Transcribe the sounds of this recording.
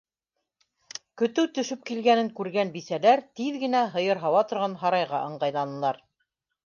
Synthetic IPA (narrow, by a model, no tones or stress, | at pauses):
kɵ̆t̪ɘwt̪ɵ̆ʃɵp̚kilɡænɘŋkʉɾɡænbisælæɾt̪iðɡɘ̆næɦɤ̆jɤɾɦɑwɑt̪ŏɾʁɑnɦɑɾɑjʁɑʔɤ̆ɴɢɑjlˠɑnɤ̆lˠɑɾ